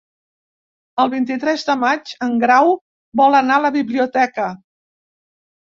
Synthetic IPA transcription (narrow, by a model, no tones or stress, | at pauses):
əlˠβint̪it̪ɾɛzd̪əmad͡ʒəŋɡɾaw | bɔlənaələβiβliut̪ɛkə